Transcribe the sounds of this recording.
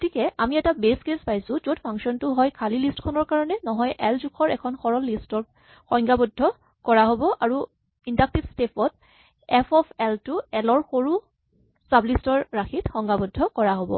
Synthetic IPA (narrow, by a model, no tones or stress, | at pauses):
ɡotʰikɛamiɛtabeskespajsʊ̃zotpʰaŋksɔntʊɦɔjkʰalilistkʰɔnɔɹkaɹɔnɛnɔɦɔjʔɛlzukʰɔɹɛkʰɔnxɔɹɔlːistɔ | xɔŋɡabɔdʱːɔ | kɔɹaɦobɔʔaɹu | indak̚tibstepʰɔt̚ | ɛpʰɔpʰɛltʊɛlɔɹxoɹu | sablistɔɹɹakʰitxɔŋɡabɔdʱːɔkɔɹaɦobɔ̰